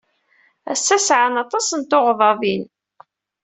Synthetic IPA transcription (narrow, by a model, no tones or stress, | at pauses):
æsːæsʕanɑt̪ˤɑsənt̪oʁðˤɑðin